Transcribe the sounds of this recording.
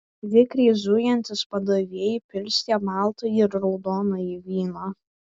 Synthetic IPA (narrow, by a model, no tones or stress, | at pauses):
ʋʲɪkɾʲɛːzʊjɛnʲt̪ʲɪspɐd̪ɐʋʲeːjɪpʲɪlʲsʲt̪ʲɛːmɑˑlˠt̪ojɪɾɾɒʊd̪oːnɐiʋʲiːno